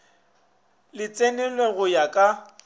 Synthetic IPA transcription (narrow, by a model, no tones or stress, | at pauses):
lɪt͡sʼenɛlwɛɣʊjakʼa